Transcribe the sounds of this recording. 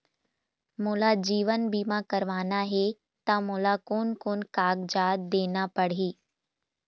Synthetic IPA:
molad͡ʑiːʋənbʱimãkəɾʋaːnaɦe | t̪amoːlakoːnkoːnkaːɡd͡ʒaːd̪d̪eːnapəɽ̤iː

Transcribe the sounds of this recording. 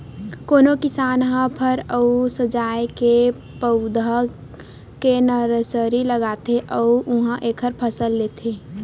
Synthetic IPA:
koːnokɪsaːnɦãpʰəɾəusəd͡ʒaːjke | pəʊd̪ʱa | kenəɾəsəɾiləɡaːt̪eʔəuʊɦãʔeːkʰəɾpʰəsəlːeːt̪ʰeː

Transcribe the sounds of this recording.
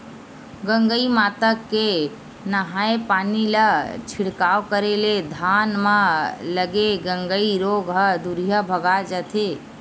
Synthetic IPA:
ɡə̃ŋɡəimaːt̪əkːe | nəɦaepaːnilət͡ʃʰɪɽkaːʋkəɾeled̪ʱaːnmãləɡeɡə̃ŋɡəiɾoːɡɦəd̪uɾijəbʱəɡad͡ʒət̪ʰe

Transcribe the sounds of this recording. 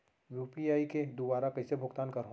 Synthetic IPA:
juːpiaːiked̪ubaːɾakɐɦisebʱʊɡt̪aːnkɐɾɦo

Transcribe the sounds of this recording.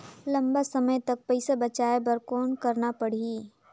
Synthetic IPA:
lɐ̃mbasɐməjt̪ɐk̚pɛɪsabɐt͡ʃaːebɐɾkoːnkɐɾnapɐɽ̤i

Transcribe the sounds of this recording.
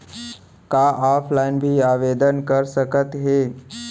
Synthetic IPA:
kaːʔaːpʰlaːɪnbʱiaːʋeːd̪ənkəɾsəkət̪ɦeː

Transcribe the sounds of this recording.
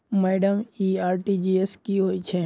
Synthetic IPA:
mɛːɖəmiːaːɾʈid͡ʒieskiɦoːit͡ʃʰe

